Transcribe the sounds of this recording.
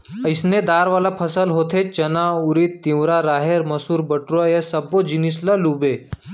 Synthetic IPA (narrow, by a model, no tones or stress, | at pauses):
əjsned̪aɾʋalapʰəsəlɦot̪ʰet͡ɕənauɾiːt̪ːĩwɾaɾaɦeɾməsuːɾbəʈɾojesəbod͡ʑinis̬lalube